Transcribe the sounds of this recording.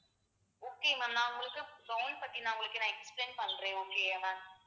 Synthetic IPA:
oːkːeːmɐnːãːʊŋɡɐɭɯkːɯɡɐwnpɐʈːinãːʊŋɡɐɭɯkːɯnaːɛkspleːnpɐnːrẽːoːkeːanaː

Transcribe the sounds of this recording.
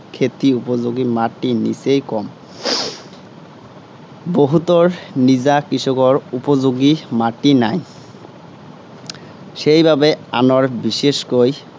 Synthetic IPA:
kʰet̪iupod͡ʑoɡimaʈːinḭsejkɔm | boɦut̪oɾnid͡ʑakɾisɔkɔɾupod͡ʑoɡimaʈːinaj | ʃejbʱabea̰noɾbiʃeʃkoj

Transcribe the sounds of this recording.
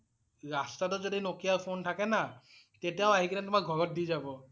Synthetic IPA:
ɹastatɔzodinokijapʰontʰakɛna | tetijaʊaɦikʰanɛtʊmak̚ɡʱɔɹɔt̚dizabɔ

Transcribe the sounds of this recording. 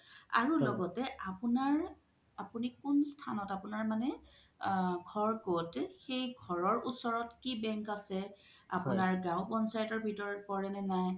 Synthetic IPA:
a̰ɹulɔɡɔtɛʔapunaɹ | apunikunstʰanɔtapunaɹmanɛ | ɡʱɔɹkotɛxejɡʱɔɹɔɹusɔɹɔtkibɛŋkasɛ | a̰punaɹɡãʊ̃bɔnsajtɔɹbʱitɔɹɔtpɔɹɛnɛnaj

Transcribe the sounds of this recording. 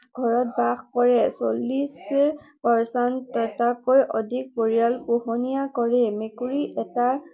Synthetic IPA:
ɡʱɔɹɔt̚baxkɔɹɛsolːispɔɹsɔnɔtakojʔodʱik̚boɹialpuhonijakɔɹɛmekuɹiʔɛta

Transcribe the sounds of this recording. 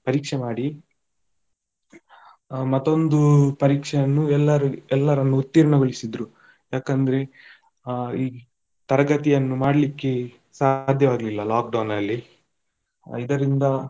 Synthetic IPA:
pɐɾiːkʂɛmaːɽi | mɐt̪ːo̞nd̪upɐɾiːkʂɛjɐnːuɛlːɐɾuɛlːɐɾɐnːuːt̪ːiːɾɐɳɐɡɐɭisid̪ɾu | jaːkɐnd̪ɐɾe̞ | iː | t̪ɐɾɐɡɐt̪ijɐnːumaːɽɐlikːe | sad̪ʱjɐʋaːɡlilːɐlaːk̚ɖɐwnɐlːi | id̪ɐɾind̪ɐ

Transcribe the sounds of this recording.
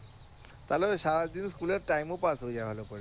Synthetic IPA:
t̪aloɾʃaɾad̪inskuleɾʈajmopasɦod͡ʑajbʱalopɔɽe

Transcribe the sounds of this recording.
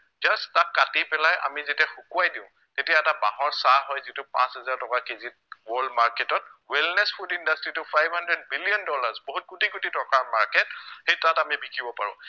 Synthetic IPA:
zastakːatipɛlajʔa̰mizetiaxukuajdiʊ̃ | tetijaɛtaba̰ɦɔɹsaɦɔjzitʊpã̰shɛzaɹtɔkakezit̚wɔɹldmaɹkɛtɔt̚wɛlnɛsfʰudindastɹitʊpʰajbʱhandɹɛd̚biliɔndɔlaɹsbɔɦut̚kutikutitɔkaɹmaɹkɛt̚xejtatamibikʰibɔpaɹʊ̰̃

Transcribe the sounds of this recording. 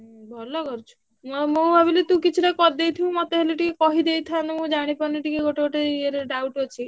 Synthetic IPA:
bʱɔlɔkɔɾut͡ʃʰu̥ | mmõbʱabilet̪ũkit͡ʃʰuʈakɔɾd̪ejt̪ʰiũmɔt̪eɦeleʈikekɔɦid̪ejt̪ʰanemũd͡ʒaɽ̃ipɔɾniʈikeɡoʈekoʈeieɾeɖawʈɔt͡ʃʰi

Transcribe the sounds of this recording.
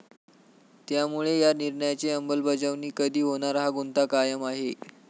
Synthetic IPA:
t̪jamuɭejaniɾɳəjat͡seəmbəlbəd͡zəʋniːkəd̪ʱiːɦonaɾɦaɡunt̪akajəmaɦe

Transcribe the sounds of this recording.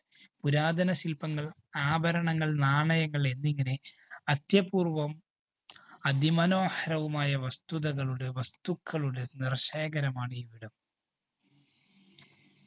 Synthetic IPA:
puɾaːd̪ʱɐnɐsilpɐŋːɐɭ | aːbʱɐɾɐɳɐŋːɐɭnaːɳɐjɐŋːɐɭe̞nːiŋːɐneɐd̪jɐpuːrʋɐm | ɐd̪imɐno̞ːhɐɾɐʋumaːjɐʋɐst̪uðɐɣɐɭuɽe̞ʋɐst̪ukʰːɐɭuɽe̞nirɕeːɡɐɾɐmaːɳiːʋiɽɐm

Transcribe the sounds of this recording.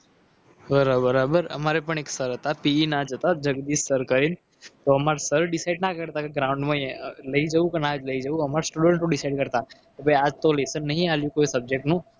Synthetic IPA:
bəɾabəɾabəɾə̰maɾepəɳeksəɾɦət̪apiinad͡ʒət̪ad͡ʒəɡd̪isəɾkəɾin | t̪oəmaɾsəɾɖɪsaɪɖnakəɾt̪akeɡɾãʊ̃ɳɖmãləid͡ʒəʋũkenad͡ʒləid͡ʒəũəmaɾsʈuɽə̃ɳʈnũɖɪsaiɖkəɾt̪ak̪obəad͡ʒt̪olesənːəɦĩaljũkoisəb̚d͡ʒek̚ʈnũ

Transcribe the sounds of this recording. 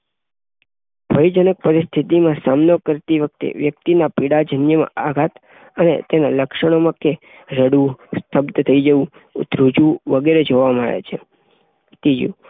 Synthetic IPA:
b̥ʱəjd͡ʒənək̚pəɾist̪ʰit̪imãsamnokəɾt̪iʋək̚t̪ḛʋjək̚t̪inapiɽad͡ʒʱənjəmã̰aɡʱat̪ | ənḛt̪enaləkʃəɽ̃omãke | ɾəɽust̪ʰəbd̪ət̪ʰəid͡ʒəʋũ | t̪ɾud͡ʒũʋəɡeɾed͡ʒʱoʋamə̰ɭḛt͡ʃʰe | t̪id͡ʒṵ

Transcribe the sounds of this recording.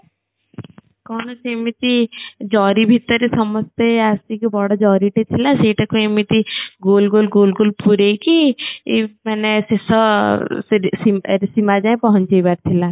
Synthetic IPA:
kɔːnɐsemit̪id͡ʒɔːɾibʱit̪ːəɾisɐməst̪eaːst̪ikibɔɽad͡ʒɔːɾiʈet̪ʰilaseːʈɐkoemit̪iɡoːlɡoːlɡoːlɡoːlpuɾekiimɛnesesɔ | simsimad͡ʒaẽpɔɦɔ̃nt͡ʃebaɾt̪ʰila

